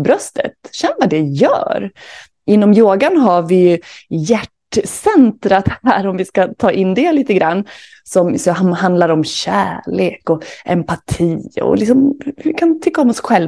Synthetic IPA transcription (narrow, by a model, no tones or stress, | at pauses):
bɾœst̪ʰə̰t̪ɕɛnːvad̪ɛjœ̰ːɾ | ʔɪnːɔmjoːɡanɦaɾvɪjjæʈsɛnt̪ɾat̪hæːɾɔmvɪskat̪ʰɑːʔɪnːd̪ɛliːt̪əɡɾanː | sɔmsɔɦahand̪laɾɔmɕæːɭeːkɔʔɛ̰mpat̪ʰiːɔ̰lɪksɔmɪkʰant̪ʰʏkːaɔmɔsɧɛl